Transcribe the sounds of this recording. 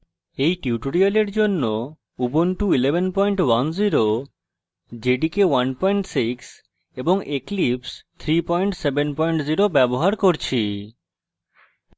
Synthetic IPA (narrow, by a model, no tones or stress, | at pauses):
ejʈiuʈoɾialeɾd͡ʑonːo | ubonʈuilebʱenpɔjɳʈwanziɾo | d͡ʑeɖikewanpɔjɳʈsiks | eboŋʔeklipst̪ʰɾipɔjɳʈsebenpɔjɳʈziɾobɛboɦaɾkoɾt͡ɕʰi